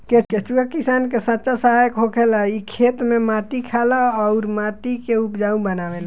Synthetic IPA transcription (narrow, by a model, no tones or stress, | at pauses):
keket͡ʃuɡakisankesətːt͡ʃasəɦajkɦokʰelaikʰet̪memat̪ikʰaləːʊɾmat̪ikeupd͡ʒaũbənaʋɛla